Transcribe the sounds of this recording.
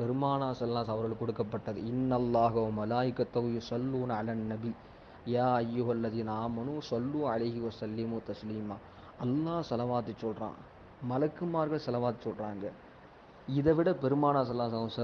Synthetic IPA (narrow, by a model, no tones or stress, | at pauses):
pɛɾɯmaːnaːsɐlɐːaːsɐʋɐɾɣɐɭɯkːɔɽɯkːɐpːɐʈːɐðɯ̰ɪnːɐlːaːɦɐɐmɐlaːʔɪkːɐt̪ːɐɣʊjʊsɐlːuːnɐlaːnːɐbi | jaːɐjːʊɦɐlːɐðiːnɐaːmɐnũsɔlːuːɐlɐɪɦɪʋɐsɐlːɪmʊt̪ɐsliːmaː | ɐlːaːsɐlɐʋaːt̪ɯt͡ʃːɔlrã̰ː | mɐlɐkːɯmaːɾɣɐɭsɐlɐʋaːt̪ɯsɔlɾaːŋɡɐ | ɪðɐʋɪɽɐpɛɾɯmaːnaːsɐlːaːsɐsɐ